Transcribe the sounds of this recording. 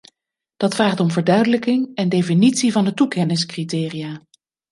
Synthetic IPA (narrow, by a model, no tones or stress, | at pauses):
d̥ɑtfraːχtɔmvəɹdœɥdələkɪŋɛndejfinitsivɑndətukɛnɪskritɪːrijaː